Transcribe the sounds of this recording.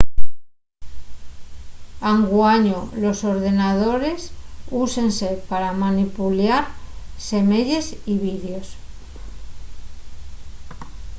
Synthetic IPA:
aŋɡwaɲolo̞so̞ɾðe̞nað̞o̞ɾe̞suse̞nse̞paɾamanipuljaɾse̞me̞ʎe̞siβiðjos

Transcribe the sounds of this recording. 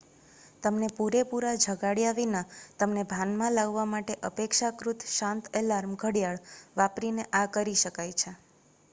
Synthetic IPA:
t̪əmnepuɾepuɾad͡ʒʱəɡaɽjaʋinat̪əmnebʱanmãlaʋʋamaʈeʔəpekʃakɾut̪ʃãnt̪ɛlaɾmɡʱəɽjaɭʋapɾineʔakəɾiʃəkajt͡ʃʰe

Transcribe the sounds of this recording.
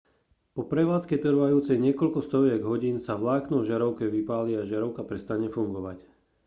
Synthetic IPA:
pɔpɾɛʋaːt͡skɛt̪r̩ʋajuːt͡sɛjɲɪɛkɔʎkɔst̪ɔʋɪɛɡɦɔɟiːnsaʋlaːknɔʒaɾɔʊkɛʋipaːliaʒaɾɔʊkapɾɛst̪aɲɛfuŋɡɔʋac

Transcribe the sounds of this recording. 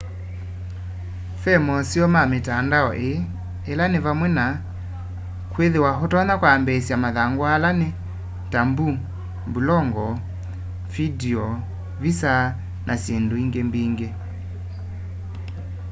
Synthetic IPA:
fɛmɔsiɔmametandaɔʔe | ɛlanevamwɛna | kweðewaɦotɔnakwambɛsiamaðaŋɡwalane | tambu | mbulɔŋɡɔ | fidiɔ | visa | nʔasenduiŋɡembiŋɡe

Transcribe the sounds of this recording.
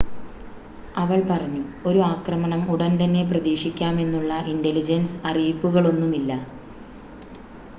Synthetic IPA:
ɐʋɐɭpɐrɐɲːuo̞ɾuaːkrɐmɐɳɐmuɽɐnt̪ɐnːe̞p̬rɐðiːʂikʲːaːme̞nːuɭːɐʔindelid͡ʑɐnsɐriːpːuɣɐɭo̞nːumilːɐ

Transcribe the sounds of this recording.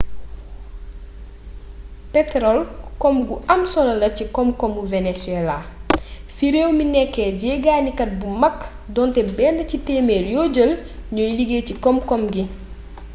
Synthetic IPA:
pɛtɾɔlkɔmɡuɐmsɔnlɐlɐcikɔmkɔmuvenesuɛla | fiɾeːwminɛkːɛɟɛːɡaːnikɐt̚bumɐkː | dɔntɛbɛːndɐciteːmeljɔɟəlɲojliɡecikɔmkɔmɡi

